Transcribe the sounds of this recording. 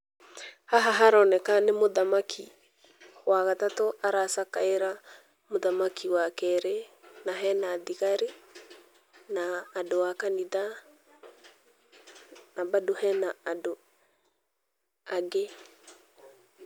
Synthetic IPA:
haɦaɦaɾɔnɛkanemoðamakʰi | waɣatatoʔaɾasakaeɾa | moðamakʰiwakɛɾenaɦɛnaðiɣaɾe | naːdowakaniða | nabadohɛnaːdo | aɡe

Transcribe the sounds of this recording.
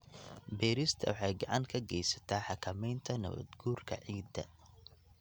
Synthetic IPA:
bɛːɾɪst̪ʰɐ̰wɑħɑjɡɑʕɑŋkʰɐɡɛjsɐ̥t̪ʰaːħɑkʰɐmɛjnt̪ʰɐnɐ̰βɐ̰d̪ɡuːrkʰɐ̰ʕiːd̪ːɐ̰

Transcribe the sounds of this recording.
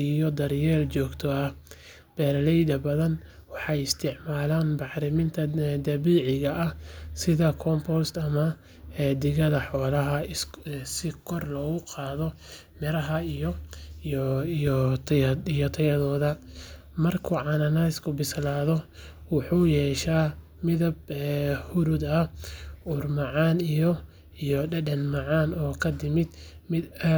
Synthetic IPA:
ijɔd̪ɐɾjɛːlt͡ʃɔːɡt̪ʰɔɐh | b̥ɛːɾɐlɛjd̪ɐbɐðɐn | wɑħɑjɪst̪ʰɪʕmaːlaːnbɑħɾɪmɪnt̪ʰɐd̪ɐβiːʕɪɣɐʔːhsɪðɐkʰɔmpʰɔst̪ɐmɐ | d̪ɪɣɐðɐħɔːlɐɦɐ | sɪkʰɔrlɔːɣʊqɑːðɔ | mɪɾɐɦɐjɔ | ijɔt̪ʰɐjɐðɔːðɐ | mɐrkʰʊʕɑnɐnɐɪskʰʊbɪslaːðɔwɑħuːjɛːʃaː | mɪðɐbɛhʊɾʊd̪ɐ | ʊrmɑʕɑːnijɔ | ijɔɖɐɖɐnmɑʕɑːnɔːkʰɐd̪ɪmɪd̪mɪ

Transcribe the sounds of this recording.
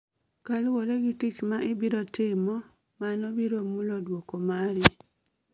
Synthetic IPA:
kalwoleɡitit͡ʃmaʔɪbiɾɔtɪmɔ | manɔbiɾomːulɔdwokomaɾɪ

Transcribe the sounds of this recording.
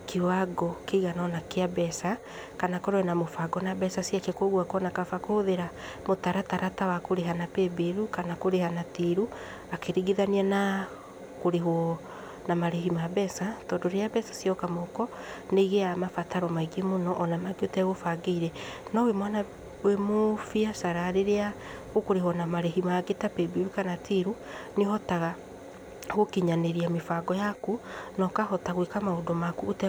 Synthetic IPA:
kiwaɡɔkeɣanɔnakeabɛsa | kanakɔɾɔɛnamofaɡɔnabɛsasiakɛkoɣwakɔnakafakoðeɾa | motaɾataɾatawakoɾeɦanapebeɾukanakoɾehanatiɾu | akeɾiɡiðaniana | koɾeɦwɔ | namaɾehimabɛsatɔndoɾeabɛsḁsjɔkamɔkɔ | neiɣeamafataɾɔmaiɡemonɔʔɔnamaɡeotɛɣofaɡeiɾɛnɔwemwana | wemofiasaɾaɾeɾea | ɣokoɾeɦwɔnamaɾeɦimaɡetapebiwekanatʰiɾu | nehɔtaɣa | ɣokiɲaneɾiamefaɡɔjakunɔkahɔtaɣwekamaodɔmakuotɛ

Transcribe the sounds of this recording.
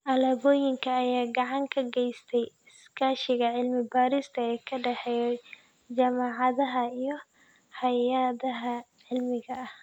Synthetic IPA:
ʔɐlɐːβɔːjɪŋkʰɐːjaːɡɑʕɑŋkʰɐɡɛjst̪ʰɛjɪskʰaːʃɪɣɐʕɪlmɪbaːɾɪst̪ʰɐɛːkʰɐɖɛħɛj | d͡ʒaːmaːʕɑðɐɦɐijɔ | hɐjɐðɐɦɐ | ʕɪlmɪɣɐɐh

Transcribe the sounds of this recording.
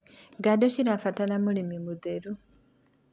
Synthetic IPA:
ɡadociɾafatanamulimimuðeɾu

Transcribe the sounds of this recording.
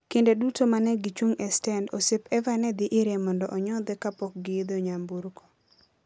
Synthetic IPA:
kɪndedutomanɛɡɪt͡ʃwoŋɛstɛndosepɛvanɛd̪ɪʔɪɾemɔndɔʔɔɲɔd̪ɛkapɔk̚ɡɪd̪oɲambuɾkɔ̥

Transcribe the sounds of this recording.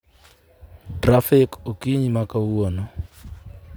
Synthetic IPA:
trafɪkokiɲimakawuɔnɔ

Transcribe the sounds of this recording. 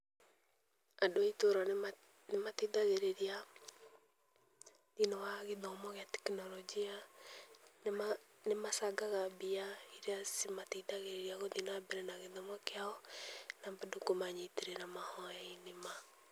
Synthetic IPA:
adoaitoɾa | nematiðaɣeɾeɾia | ðinɔwaɣeðɔmɔɣeatɛ̥knɔlɔd͡ʒia | n | nemasaɡaɣabiaiɾeasimatidaɣeɾeɾiaɣɔðinɔwabɛɾɛnaɣeðɔmɔkeaɔnambadokomaɲiteɾeɾamahɔainema

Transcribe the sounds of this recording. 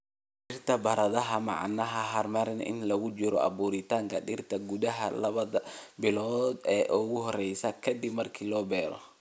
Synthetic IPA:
ɖɪrt̪ʰɐbɐɾɐðɐɦɐmɑ̰ʕɑ̰nɐɦɐɦɐrmɐɾnʔɪ̰nlɐɣʊt͡ʃɪɾɔʔɐ̰buːɾɪt̪ʰaːŋkʰɐɖɪrt̪ʰɐɡuðɐɦɐlɐβɐðɐbɪlɔːd̪ɛːʔʊɣʊɦɔrɛjsɐkʰɐd̪ibmɐrkʰiːlɔːbɛːɾɔ̰

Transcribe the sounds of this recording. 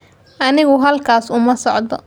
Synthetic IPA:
ʔɐnɪɣʊɦɐlkʰaːsʊmɐsɔʕd̪ɔ

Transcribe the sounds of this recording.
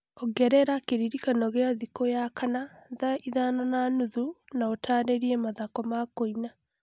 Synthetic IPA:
oɡɛɾɛɾakeɾiɾikanɔɣeaðikojakʰanaðaiðanananuðunaotʰaːɾeɾiɛmaðakɔmakoina

